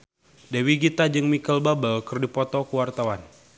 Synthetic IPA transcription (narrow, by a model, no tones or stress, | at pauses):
dewiɡit̪ad͡ʒɨŋmikəlbabəlkɨrdipɔt̪ɔkəwart̪awan